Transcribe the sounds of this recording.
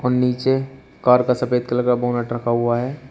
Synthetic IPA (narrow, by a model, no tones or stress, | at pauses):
ɔːɾniːt͡ʃe | kaːɾkasɐpeːd̪kələɡaboʊnəʈɾɐkʰaɦʊaɦɛː